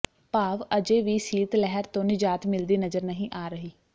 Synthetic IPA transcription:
paːʋəd͡ʒeːʋiːsiːt̪lɛɦəɾt̪õːnɪd͡ʒaːt̪mɪld̪iːnəzəɾnəɦĩːʔaːɾəɦiː

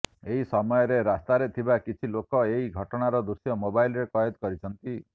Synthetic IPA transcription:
eɦisɔmɔjɔɾeɾast̪aɾet̪ʰibakit͡ʃʰilokɔeɦiɡʱɔʈɔɽ̃aɾɔd̪usjɔmobajlɾekɔjɔd̪kɔɾit͡ʃʰɔnt̪i

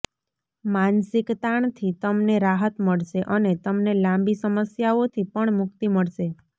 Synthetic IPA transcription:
mansɪkt̪aɳt̪ʰit̪əmneɾaɦət̪məɭʃeʔənet̪əmnelãmbisəməsjaot̪ʰipəɳmʊkt̪iməɭʃe

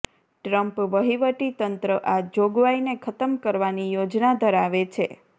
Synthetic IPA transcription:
ʈɾəmpʋəɦiʋəʈit̪ənt̪ɾəʔad͡ʒoɡʋainekʰət̪əmkəɾʋanijod͡ʒnad̪ʱəɾaʋet͡ʃʰe

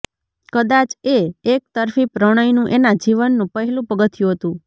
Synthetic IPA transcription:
kəd̪at͡ʃeːk̚t̪əɾfipɾəɽ̃əjnũʔenad͡ʒiʋənːũpəɦɛlũpəɡət̪ijũɦət̪ũ

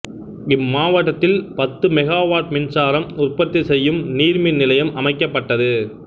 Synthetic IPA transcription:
ɪmːaːʋɐʈːɐt̪ːɪlpɐt̪ːɯmɛɣaːʋaːʈ̚mɪnsaːɾɐmʊrpɐt̪ːɪsɛjːɯmniːɾmɪnɪlɐjɐmʔɐmɐɪkːɐpːɐʈːɐðɯ

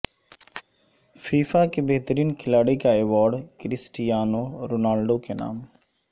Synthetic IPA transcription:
fiːfaːkebeɦt̪əɾiːnkʰɪlaːɽiːkaeːʋaːɾɖkɾɪsʈɪjaːnoːɾoːnaːlɖoːkena̰ːm

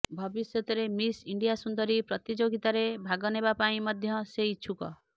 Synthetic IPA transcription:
bʱɔbisjɔt̪ɔɾemisiɳɖijasund̪ɔɾipɾɔt̪id͡ʒoɡit̪aɾebʱaɡɔnebapaĩmɔd̪ʱjɔseit͡ʃʰukɔ̰

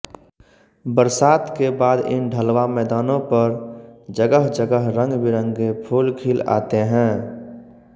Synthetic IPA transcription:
bəɾsaːt̪kebaːd̪ɪ̰nɖʱəlʋamɛːd̪aːnõpəɾd͡ʒəɡəɦd͡ʒəɡəɦɾə̃ŋɡbɪɾə̃ŋɡɡepʰuːlkʰiːla̰ːt̪eɦɛ̃ː

